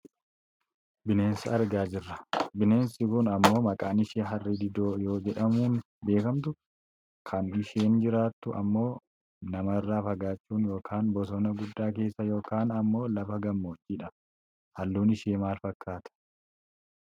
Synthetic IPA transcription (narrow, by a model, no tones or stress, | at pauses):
bɪne̞ːnsɪɐɾɡaːd͡ʒɪrːɐbɪne̞ːnsɪkʊnɐmːo̞ːmɐkʼaːnɪʃeːɦɐrːɪd̪ɪd̪oːjo̞ːd͡ʒɛᶑɐmuːn | be̞ːkɐmt̪ʊ | kʰɐnɪʃeːnd͡ʒɪɾaːt̪ːʊʔɐ̰mːo̞ː | nɐmɐɪrːaːfɐɡaːt͡ʃʼːuːnjoːkʰaːnbɔs̬ɔnɐɡʊd̪ːaːke̞ːsːɐjo̞ːkaːnɐmːo̞ːlɐfɐɡɐmːoːt͡ʃʼːiːᶑɐ | hɐlːuːnɪʃeːmaːlfɐkːaːt̪ɐ̥